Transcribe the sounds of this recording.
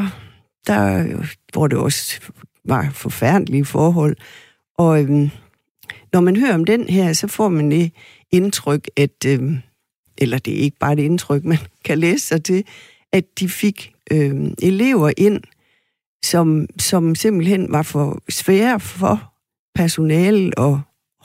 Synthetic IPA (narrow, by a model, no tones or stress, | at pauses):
d̥ɑ | ʋɒ̰d̥e̝ɒ̽s | ʋɑ̈fɒ̽fæɐ̰d̥əliəfɒːɦɒ̽l̰ | ʔɒ̽øm | nɒmænɦøːɐɒ̽md̥enhæɐ̰sɒ̽fɒ̰ːmænd̥e̝ | e̝nt͡sʰʁœɡ̥æd̥ | ʔelɐd̥e̝æɐe̝ɡ̥əb̥ɑ̈ːd̥ee̝nt͡sʰʁœɡ̥mænkʰæleːsə̥sɑ̈ɪt͡sʰe̝ | ʔædd̥ife̝ɡ̥ʔøʔe̝le̝ʊ̰ɐʔe̝n̰ | sɒ̽msɒ̽mse̝m̰b̥l̩hen̰ʋɑ̈fɒ̽sʋɛːɐɐfɒ | pʰæɐso̝nɛːl̩ɒ̽